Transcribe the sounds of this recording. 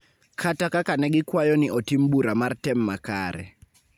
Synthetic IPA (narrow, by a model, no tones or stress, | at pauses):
kʰatakakanɛɡɪkwajɔnɪʔɔtimbuɾamartɛmːaka̰ɾɛ̰